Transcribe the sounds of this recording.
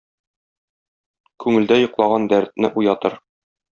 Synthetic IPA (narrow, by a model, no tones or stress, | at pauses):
kʉŋɘ̆ld̪æjŏqlˠɑʁɑnd̪æɾt̪̚nɘʔujɑt̪ɤɾ